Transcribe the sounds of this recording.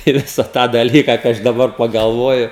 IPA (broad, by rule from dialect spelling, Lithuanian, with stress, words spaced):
ɪ ˈʋʲɪsɐ tɑː dɐlʲˈiːkɐ kɐɪ ˈɐʃ dɐˈbɐr pɐɡɐlˠˈʋoːjʊ